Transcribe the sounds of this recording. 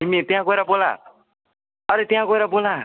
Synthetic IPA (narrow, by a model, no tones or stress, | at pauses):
imet̪iãkoiɾabola̰ | ʌɾet̪jãkojɾabola